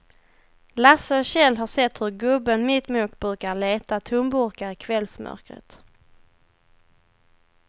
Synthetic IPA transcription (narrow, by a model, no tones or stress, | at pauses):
lasəɕɛlːɦaʂɛt̪ːhɵɾɡɵbːənmɪt̪muːkbɾʉ̟ːkaɾɭeːt̪at̪ʰɵmbʊɾkaɾɪkʰvɛlsmʔœ̰ɾkɾə̰t̪